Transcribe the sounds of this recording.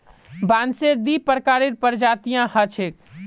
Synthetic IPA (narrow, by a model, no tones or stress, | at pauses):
banseɾd̪ipəɾkaɾeɾpəɾd͡ʒat̪ijãhət͡ʃʰek